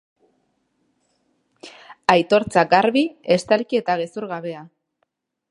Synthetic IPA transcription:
ajt̪o̞ɾt͡saɡaɾβie̞st̪alkie̞t̪aɣ̞e̞suɾɣaβe̞a

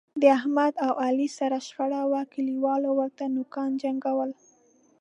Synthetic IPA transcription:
d̪əahmad̪awalisaɾaʃpaɽawakɪliwɑlowəɾt̪anʊkɑnd͡ʒaŋɡawəl

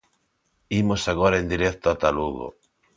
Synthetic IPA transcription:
imosaɣoɾaend̪iɾɛkt̪oat̪aluɣo̰

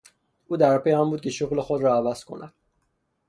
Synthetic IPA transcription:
ʔuːd̪æɾpʰe̞jhæmbuːd̪̚ce̞ʃoɣle̞xod̪ɾɒævæz̥kʰo̞̰næ̰d̪̥̚

